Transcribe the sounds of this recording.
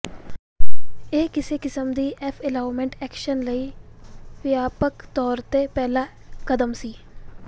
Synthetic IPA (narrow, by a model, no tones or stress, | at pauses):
eːkɪseːkɪsəmd̪iːʔɛːpʰɛːlaːʊmẽːɳʈɛːkʃənləiːpɪjaːpəkt̪ɔːɾt̪epɛːlaː | kəd̪əmsiː